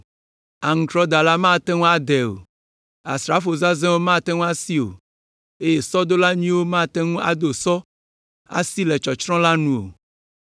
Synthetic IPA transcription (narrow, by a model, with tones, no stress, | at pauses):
a˨ŋ̩̃˨tɾɔ˦d̪a˨la˦mã˦˨t̪ɛ˦ŋũ˦a˦d̪ɛ˨o̰˨ | a̰˨sɾa˨˦fo˨za˦zɛ̃˦wo˦mã˦˨t̪ɛ˦ŋũ˦a˦si˦o̰˨ | e˦je˨sɔ˦d̪o˦la˦ɲĩ˦wo˦mã˦˨t̪ɛ˦ŋũ˦a̰˨d̪o˨sɔ˦ | a̰˦si˦lɛ˨t͡ʃɔ˨t͡ʃɾɔ̃˦la˦nũ˦˨o̰˨